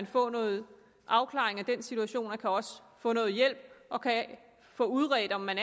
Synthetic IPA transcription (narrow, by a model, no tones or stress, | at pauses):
nfɔ̰̽ːnɔ̽ːð̩ˠ | ʔɑ̈ʊkʰlɑ̰̈eŋæd̥ensit͡sʰuæɕo̝̰ːnækʰæɒ̽sə̥ | fɔ̰̽ːnɔ̽ːð̞̩ˠjel̰b̥̚ʔɒ̽kʰæ | fɔ̰̽ːuðˠʁɛːd̥ɒ̽mːæn